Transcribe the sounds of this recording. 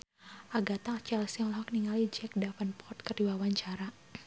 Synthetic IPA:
ʔaɡat̪at͡ʃɛlsiɔlɦɔkniŋalid͡ʒɛk̚dafənpɔrt̪̚kərdiwawaɲt͡ʃaɾa

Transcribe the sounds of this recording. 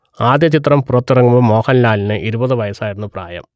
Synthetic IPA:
aːd̪jɐt͡ɕit̪̬rɐmpurɐt̪ːurɐŋːumbɨmːo̞ːhɐnlaːlinɨʔiɾubɐðɨʋɐjɐsaːjiɾunːupra̰ːjɐ̰m

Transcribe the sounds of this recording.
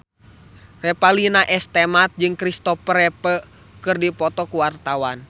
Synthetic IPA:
rɛpalinaʔɛst̪ɛmat̪̚d͡ʒɨŋkɾist̪ɔpɾɛpə | kɨrdipɔt̪ɔkuwart̪awan

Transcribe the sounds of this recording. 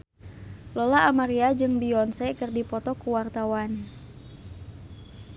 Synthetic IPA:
lɔlaʔamaɾiad͡ʒɨŋbiɔnsɛkɨrdipɔt̪ɔkuwart̪awan

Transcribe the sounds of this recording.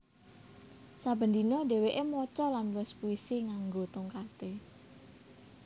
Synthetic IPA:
sabə̤nd̪inɔɖe̤weʔemɔt͡ʃɔlanwɪspuisiŋaŋɡot̪uŋkat̪e

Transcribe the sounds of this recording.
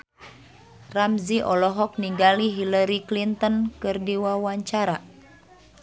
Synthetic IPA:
ramziʔɔlɔɦɔk̚niŋɡaliɦilaɾiklint̪ɔnkɨrdiwawaɲt͡ʃaɾa

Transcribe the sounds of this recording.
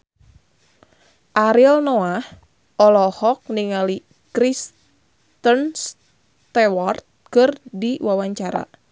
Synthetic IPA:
ʔaɾilnoah | ʔɔlɔhɔk̚niŋali | kɾis | t̪əns | t̪ɛwart̪̚kɨrdiwawaɲt͡ʃaɾa̰

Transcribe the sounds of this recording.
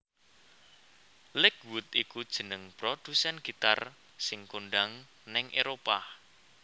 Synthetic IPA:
lɪkwut̪ikud̥ʒ̥ə̤nəŋpɾod̪̥usɛnɡ̥i̤t̪a̰r | sɪŋkoɳɖaŋ | nɪŋʔeɾopa

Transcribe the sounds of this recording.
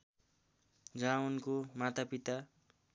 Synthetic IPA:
d͡zawnkomat̪apit̪a

